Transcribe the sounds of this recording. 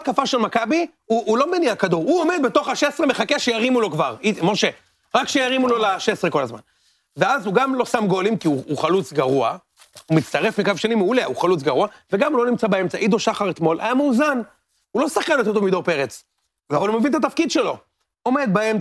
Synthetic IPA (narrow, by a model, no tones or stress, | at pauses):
t̪kafaʃe̞lmakabi | uʔːlo̞meniakad̪uʁhuome̞d̪bet̪o̞χaʃesʁemeχakeaʃejaʁimulo̞kvaʁimoʃe | ʁakʃejaʁimulo̞laʃe̞sʁeko̞lazma̰n | veazhuɡamlo̞samɡo̞limkiuuχalut͡sɡaʁua | umit͡st̪aʁe̞fmikavʃanimeulea̰uχalut͡sɡaʁuaveɡamulo̞nimt͡sabae̞mt͡saʔid̪oʃaχaʁet̪mo̞lʔa̰jamuːzan | ulo̞saχkanet̪ot̪̬omid̪o̞ʁpe̞ʁet͡s | avalumevint̪at̪afkid̪ʃe̞lo̞ | o̞me̞d̪̚baem